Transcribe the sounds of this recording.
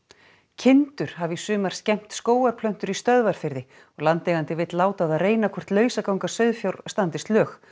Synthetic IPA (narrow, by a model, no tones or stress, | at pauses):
cʰɪnt̪ʏɾ̥havisʏːmaɾ̥scɛm̥t̪skoːwaɾ̥pʰlœn̥t̪ʏɾist̪œðvaɾ̥fɪɾðɪ | ɔɣlant̪ɛɣant̪ɪvɪt̪laːwt̪aðaðreːjnakʰɔr̥t̪lœːɥsakawŋkḁsœɥðfjawɾst̪ant̪ɪst̪lœːx